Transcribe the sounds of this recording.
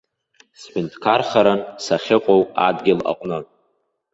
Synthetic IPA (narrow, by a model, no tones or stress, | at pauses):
sħɪntʰʼkʰarχaɾansaχʲɪqʷʼowadɡʲɪla̰qʷʼnɨ